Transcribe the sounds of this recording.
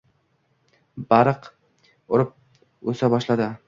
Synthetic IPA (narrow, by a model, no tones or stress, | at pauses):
baɾɨq | ʊɾɪp̚ | ɵsabɒʃlad̪ɪ